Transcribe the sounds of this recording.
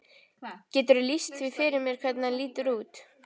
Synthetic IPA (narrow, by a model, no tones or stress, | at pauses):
cɛːt̪ʏɾʏlist̪θvifɪɾɪɾmjɛɾkʰvɛt̪naliːt̪ʏɾuːt̪